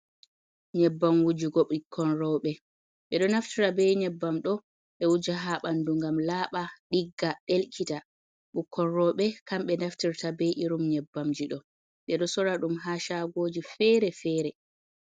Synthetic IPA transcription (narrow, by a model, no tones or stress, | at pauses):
ɲɛbːamwud͡ʒiɡɔɓikʰːɔnɾɔɓɛ | ɓɛɗɔnaftiɾabɛjɲɛbːamɗɔ | ɓɛwud͡ʒaɦaɓanduŋɡamlaːɓaɗiɡːaɗelkʰita | ɓukʰːɔnɾɔɓɛkamɓɛnaftiɾtabɛjʔiɾumɲɛbːamd͡ʒiɗɔ | ɓɛɗɔsɔɾaɗumɦaʃaɡoːd͡ʒifɛɾɛfɛːɾɛ